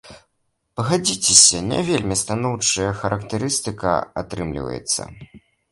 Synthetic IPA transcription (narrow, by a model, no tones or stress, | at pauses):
pɐɣad͡zʲit͡sʲesʲɐnʲa̰vʲelʲmʲist̪anɔwt͡ʂɐjɐxɐɾʔɐkt̪ɨɾɨst̪ɨkɐ̰a̰t̪ɾɨmlʲḭvɐ̰jɛ̰t̪sːɐ̰